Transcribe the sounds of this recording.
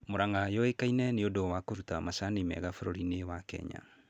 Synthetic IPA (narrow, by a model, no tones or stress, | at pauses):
moɾaŋajɔekainɛneodowakoɾutamasanimɛ̰ɣafoɾoɾinewakɛ̰ɲa̰